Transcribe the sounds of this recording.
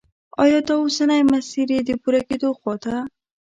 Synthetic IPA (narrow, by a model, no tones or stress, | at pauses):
ɔ̰jɔt̪ausanajmasiɾed̪ɪpuɾaked̪oxɔt̪a